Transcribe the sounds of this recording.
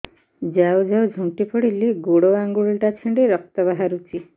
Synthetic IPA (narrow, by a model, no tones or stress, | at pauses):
d͡ʒawd͡ʒawd͡ʒʱũʈipɔɽiliɡoɽoaŋɡuɭʈat͡ʃʰiɳɖeɾɔk̚t̪ɔβaɦaɾut͡ʃi